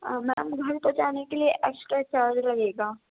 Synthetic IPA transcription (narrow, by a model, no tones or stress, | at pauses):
mɛ̃ɐmɡʱɐɾpot͡ʃaːnekelieʔɛːksʈɾat͡ʃaːɾd͡ʒɾɐɦeːɡaː